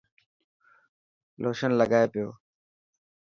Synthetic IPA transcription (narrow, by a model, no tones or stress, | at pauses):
lʔoːʃənləɡaːeːpɪjo̰ː